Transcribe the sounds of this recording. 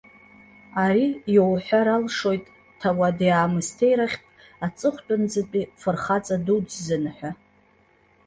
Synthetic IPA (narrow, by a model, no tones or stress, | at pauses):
aɾijowħʷᶣaɾalʂo̞jtʼ | tʰawadjaːmɨstʰe̞jɾaχʲtʼ | at͡sʼɨχʷtʼʊnd͡zɨpʼifɨrχat͡sʼadud͡ʒzɨnħʷᶣa